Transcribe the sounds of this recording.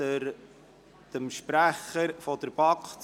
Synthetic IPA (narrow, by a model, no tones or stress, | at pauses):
əɾ | d̪̥əmʃpɾæχəɾfɔdəɾb̥ɑkχt